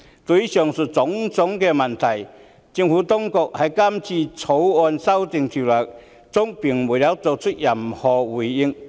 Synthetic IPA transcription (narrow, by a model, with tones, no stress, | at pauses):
t̪o˧i˥sœː˨ŋsu˨t͡sʊ˨˥ŋt͡sʊ˨˥ŋkɛː˧mɐ˨˩nt̪ʰɐ˨˩j | t͡sɪ˧ŋfuː˨˥t̪ʊ˥ŋkɔ˨˧k̚hɐ˨˩jkaː˥mt͡sʰiː˧t͡sʰo˨˥wɔː˧nsɐ˥wt̪ɪ˨˧ŋt̪ʰi˨˩lœː˨˩k̚ | t͡sʊ˥ŋpi˨˩ŋmuː˨˩jɐ˨˧˥wt͡so˨˧k̚t͡ʃʰɵ˥t̚jɐ˨˩mhɔː˨wuː˨˩jːɪ˧ŋ